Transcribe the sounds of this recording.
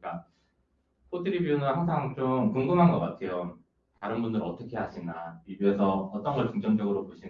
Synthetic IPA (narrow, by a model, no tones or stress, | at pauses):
k͈a | pʰotʰɯɾibiunɯɾahansʰaŋt͡ɕomkuŋɡɯmɦanɡʌk͈atʰe̞jo | taɾɯnbundɯɾʌt͈ʌkʰe̞ɦaɕʰinaibiesʰʌʌt͈ʌnɡʌɭt͡ɕuŋd͡ʑʌnd͡ʑʌɡɯɾopoɕʰi